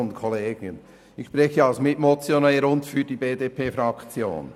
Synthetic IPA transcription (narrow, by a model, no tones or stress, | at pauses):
ʊntkʰɔleːɡ̥n | ɪçʃpɾɛçəɑlsmɪtmɔt͡sjonɛəɾʊntfyɾdibeːdeːpʰeːfɾɑkt͡sjo̰ːn